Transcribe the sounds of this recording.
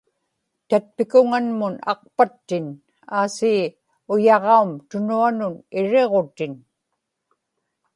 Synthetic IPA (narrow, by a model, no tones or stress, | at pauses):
t̪at̪̚pɪkʊŋanmʊnɑ̰q̚pat̪ːɪn | aːsiː | ʊjɑʁɑumt̪ʊnuanʊnɪɻeʁo̞t̪ɪn